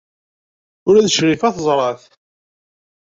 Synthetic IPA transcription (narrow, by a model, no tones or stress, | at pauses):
ʊɾæðʃʁifæθzˤɾˤɑθ